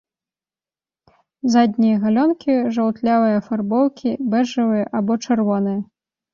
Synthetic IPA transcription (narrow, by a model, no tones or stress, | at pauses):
zad̪ʲnʲijɐɣalʲɔnkʲiʐɐwt̪lʲavɨjɐfarbɔwkʲʰibɛʐɐvɨjɐʔabɔt͡ʂɐrvɔnɨjɐ